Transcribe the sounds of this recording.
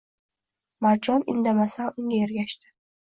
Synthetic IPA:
maɾd͡ʒɒnɪ̰nd̪amasanʊŋɡʲajeɾɡʲaʃt̪ɪ̥

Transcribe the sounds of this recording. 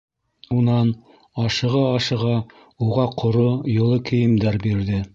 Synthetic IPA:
unɑn | ɑʃɤ̆ʁɑɑʃɤ̆ʁɑ | uʁɑqʰŏɾojŏlˠɤkʰɘ̆jɘ̆md̪æɾbiɾðɘ

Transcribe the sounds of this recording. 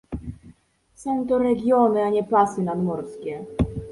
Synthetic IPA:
sɔ̃w̃t̪ɔɾɛɡʲjɔnɘaɲɛplasɘnad̪mɔɾskʲɛ

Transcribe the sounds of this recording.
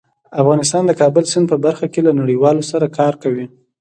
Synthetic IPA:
afɣɑnɪs̬t̪ɑnd̪əkɑbəlsɪn̚pəbaɾxakelanaɽiwɑlosaɾakɑɾkawi

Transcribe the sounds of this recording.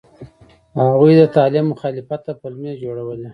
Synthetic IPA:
haɣujd̪ət̪ɑlɪmːʊxɑlɪfat̪ːapəlmed͡ʒoɽawəle

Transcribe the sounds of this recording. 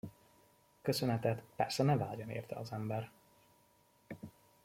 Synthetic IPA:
kø̞sønɛt̪ɛt̪pɛrsɛnɛvaːɟɒnḛːrt̪ʰɛ̰ɒzɛmbɛr

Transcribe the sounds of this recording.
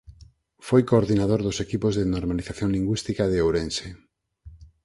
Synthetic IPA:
fojkoːɾðinaðoɾðʊsekipozðenoɾmaliθaθjoŋliŋɡwist̪ikaðeowɾẽnse

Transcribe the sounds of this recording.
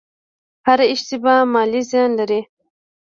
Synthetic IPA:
haɾɪʃt̪ibamɑlizjɑnlaɾi

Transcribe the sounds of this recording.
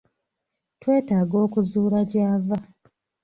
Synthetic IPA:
twe̞ːtaːɡo̞ːkuzuːɾaɟaːva

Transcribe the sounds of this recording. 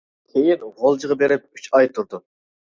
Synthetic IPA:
kʲʰejinʁolˠd͡ʒəʁɑbeɾɪp̚y̥t͡ʃɑjt̪ʰuɾd̪u

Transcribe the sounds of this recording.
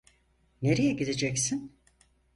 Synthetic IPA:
ne̞ɾejɛɟid̪ed͡ʒɛcsin

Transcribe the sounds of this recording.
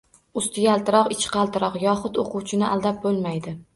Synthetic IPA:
ʊst̪ʰɪɡʲalˠt̪ɪɾɒqɪt͡ʃqʰɑlˠt̪ʰɪɾɒqjɒχʊt̪oqʰʊwt͡ʃʰɪnɪʔa̰lˠd̪ap̚bolˠmajd̪ɪ

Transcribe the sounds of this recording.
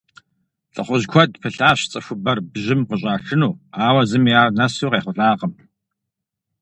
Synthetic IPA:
ɬʼɨ̰χʷʊʑkʷʰɔdpʰɨɬaːɕt͡sʼɐfʷʊbɐrbʑɪmqəɕ̬ʼaːɬɨnuːaːwɐzɨmiaːrnɐsuːqeːχʷʊɬʼaːqəm

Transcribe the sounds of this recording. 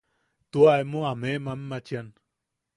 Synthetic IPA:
t̪uaemoamemamːat͡ʃjan

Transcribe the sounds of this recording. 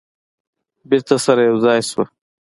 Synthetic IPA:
biɾt̪ɐsɐɾajɐwzɑːjswɐ

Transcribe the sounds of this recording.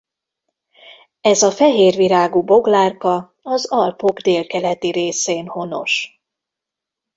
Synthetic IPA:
ɛzɒfɛɦeːrviɾaːɡubo̞ɡlaːrkɒ | ɒzɒlpo̞ɡd̪eːlkɛlɛt̪iɾeːseːnho̞no̞̰ʃ

